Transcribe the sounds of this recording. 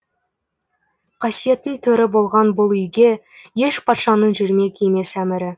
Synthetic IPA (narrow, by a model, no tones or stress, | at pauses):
qʰɑsije̞t̪ɪnt̪ʰɵɾɪbo̞lˠʁɑnbʊlˠʏjɡʲe̞ | je̞ʃpʰɑt̪ʃɑnəɴʒɪɾme̞kʲʰejme̞sæmɪɾɪ